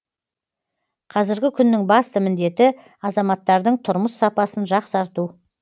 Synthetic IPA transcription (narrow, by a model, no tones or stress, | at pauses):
qʰɑzɪɾɡʲɪkʲʰʏnːɪŋbɑst̪əmɪnd̪e̞t̪ɪ | ɑzɑmɑt̪ːɑɾd̪əɴt̪ʰʊɾməsːɑpɑsənʒɑqsɑɾt̪u